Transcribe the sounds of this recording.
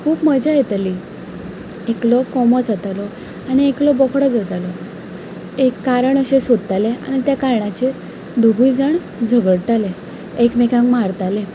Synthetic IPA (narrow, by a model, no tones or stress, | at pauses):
kʰuːpm̤əd͡ʑajet̪ali | eklɔkɔmɔd͡zət̪alɔ | aɽ̃ieklɔbɔkʰɽɔd͡zət̪alɔ | ekːaɾəɳəɕesod̪ət̪alea̰ɽ̃it̪jakaɾɳat͡ɕe | d̪ʱuɡʱujd͡zəɳ | d͡zʱəʋəɽʈale | ekmekãŋkmaɾt̪alẽ